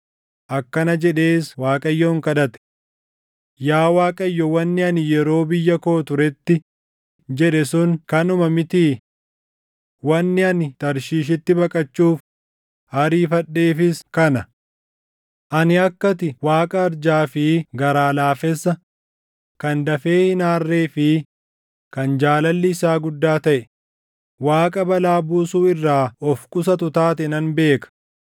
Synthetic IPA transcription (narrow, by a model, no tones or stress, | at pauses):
ʔɐkːɐnɐd͡ʒɛᶑeːswaːkʼɐjːɔːŋkɐᶑɐt̪ɛ̥ | jaːwaːkʼɐjːɔwɐnːɪɐnɪjɛɾo̞ːbɪjːɐkoːt̪ʊɾɛt̪ːɪ | d͡ʒɛᶑɛsʊŋkɐnʊmɐmɪt̪iː | wɐnːɪɐnɪt̪ɐɾʃiːʃ̬ɪt̪ːɪbɐkʼɐt͡ʃːuːf | hɐɾiːfɐᶑːe̞ːfɪskɐnɐ | ʔɐnɪɐkːɐt̪ɪwaːkʼɐːɾd͡ʒaːfɪɡɐɾaːlaːfɛsːɐ | kɐnd̪ɐfe̞ːhɪnaːrːe̞ːfɪ | kɐnd͡ʒaːlɐlːɪɪsaːɡʊd̪ːaːt̪ɐʔɛ | waːkʼɐbɐlaːbuːsuːɪrːaːɔfkʼʊsɐt̪ʊt̪aːt̪̬ɛnɐnbe̞ːkɐ̥